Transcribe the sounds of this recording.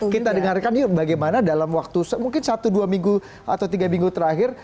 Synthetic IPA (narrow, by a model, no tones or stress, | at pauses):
kit̪adəŋarkanbaɡajmanadalamwak̚t̪usmuŋkɪnsat̪uduamiŋɡu | ʔa̰t̪awt̪iɡamiŋɡut̪əɾaɦɪr